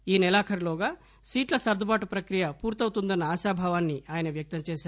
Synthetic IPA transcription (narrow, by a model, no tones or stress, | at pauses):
iːnɛlaːkʰɐɾloːɡaː | siːʈlɐsɐɾd̪ʱɐbaːʈupɾɐkɾijɐpuːɾt̪ɐwt̪und̪ɐnːɐaːʃaːbʱaːʋaːnːiaːjɐnɐʋjɐk̚t̪ɐmt͡ʃɛːʃaː